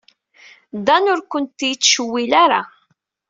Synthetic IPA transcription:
d̪ænʊɾkʷənt̪jit͡sːʃəwːilaɾa̰

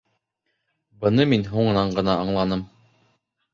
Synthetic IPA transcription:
bɤ̆nɤminɦuɴɤ̆nɑɴɢɤ̆nɑːɴlˠɑnɤm

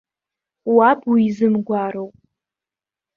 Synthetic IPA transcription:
wabʰwiizɨmɡʷaɾowpʼ

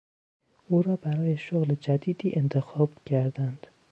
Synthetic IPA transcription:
ʔuːɾɒːbæɾɒːjeʃoɣled͡ʒæd̪iːd̪iːʔent̪ʰexɒːb̥cʰæɾd̪ænd̪̥

